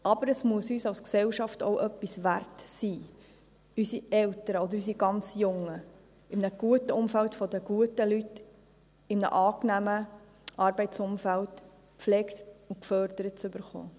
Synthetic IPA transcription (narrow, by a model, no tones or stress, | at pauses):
ɑbəɾəsmuəsyːsɑwsksɛlʃɑfto̰ʊʔœpːisʋærtsiː | ysiɛltəɾəɔd̪əɾys̬iɡɑnt͡sjʊŋə | ɪmnəɡ̥uətəʊmfæltfɔd̪əɡ̥uətəlyt | ɪmnə̰ʔɑːknæmə | ʔɑrbɛɪtsʊmfælt | pflɛːktukfœɾd̪əɾət̚t͡sʏbəɾχo̰ː